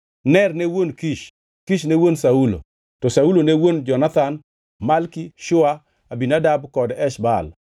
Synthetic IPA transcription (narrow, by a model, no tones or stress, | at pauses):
nɛrnewonkiʃ | kiʃnewonsaulo̰ | tɔsaulonewond͡ʒɔnat̪an | malkiʃʊa | abinadabkɔdɛʃbal